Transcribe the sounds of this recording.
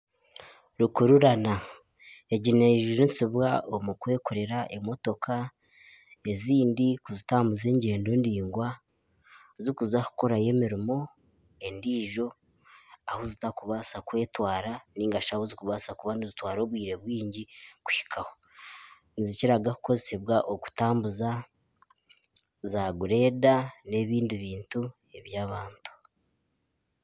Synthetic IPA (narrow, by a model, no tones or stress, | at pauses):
ɾukuɾuɾana | eɟineʒuɾisiβwaomukwe̞ːko̞ɾe̞ɾaʔemo̞to̞kʰa | e̞ziːndikuzitaːmbuze̞ɲɟe̞ːndo̞ndiːŋɡwa | zikuzaku̥ko̞ɾaje̞miɾimo̞ | e̞ndiːʒo̞ | ahozitakuβasakwe̞ːtwaːɾaniːŋɡaʃahozikuβasakuβanizitwaːɾo̞ːβwiːɾeβwiːɲɟiku̥hi̥kʰaho̞ | niziciɾaɡaku̥ko̞zese̞βwaʔoku̥taːmbuza | zaɡuɾe̞ːdane̞βiːndiβiːntu | e̞βjaːβaːntu̥